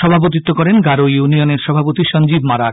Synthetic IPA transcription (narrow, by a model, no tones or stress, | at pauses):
ʃɔbʱap̬ot̪it̪ːokɔɾenɡaɾojunioneɾʃɔbʱapot̪iʃɔnd͡ʑibmaɾak